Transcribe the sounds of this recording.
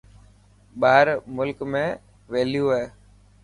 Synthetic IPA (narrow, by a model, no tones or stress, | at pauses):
ɓaːɾmʊlkmẽː | ʋeːljuːɦeː